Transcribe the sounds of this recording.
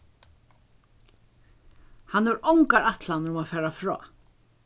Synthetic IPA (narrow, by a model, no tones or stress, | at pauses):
hanːɛɾɔwŋkaɾat̪lanɾʊmafɛːɾafɹɔ̰ː